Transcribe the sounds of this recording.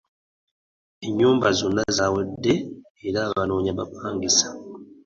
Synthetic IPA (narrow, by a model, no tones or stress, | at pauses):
eɲːuːmbazonːazaːwedːe̞ | eɾaːβano̞ːɲaβapaːŋɡisḁ